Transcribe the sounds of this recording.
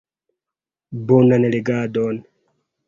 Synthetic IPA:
bonanɛleɡaːd̪ɔːn

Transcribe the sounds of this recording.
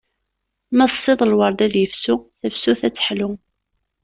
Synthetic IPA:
mæðsˤːɪðˤəlwɑɾˤd̪æðjəfsuθəfsuθæt͡sːə̥ħlʊ

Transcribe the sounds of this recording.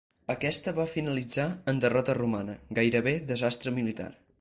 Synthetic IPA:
əkɛst̪əβafinəlid͡zaənd̪ərɔt̪ərumanəɡajɾəβeðəzast̪ɾəmilit̪a̰r

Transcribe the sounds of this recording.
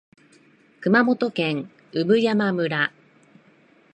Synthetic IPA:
kɯ̟mamo̞t̪o̞kẽ̞ŋ | ɯbɯ̟jamamɯ̟ɾa

